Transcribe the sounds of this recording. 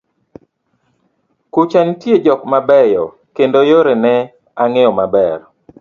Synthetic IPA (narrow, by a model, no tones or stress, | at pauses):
kut͡ʃantjed͡ʒɔkmabɛjɔ̰ | kendojoɾenɛ | aŋɛɔmabɛr